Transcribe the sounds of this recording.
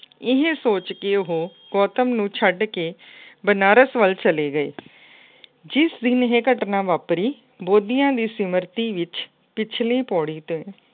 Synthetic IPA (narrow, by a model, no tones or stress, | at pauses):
ɪɦẽsoːt͡ʃkiʊɦoː | ɡɔːt̪əmnũːt͡ʃʰəɖkeːbənaːɾəsʋəlt͡ʃəleːɡəeː | d͡ʒɪsd̪ɪnɦeːkəʈnaːʋaːpɾiː | boːd̪ijãːd̪iːsɪməɾt̪iːʋɪt͡ʃ | pɪt͡ʃʰliːpɔːɽiːt̪oːɛː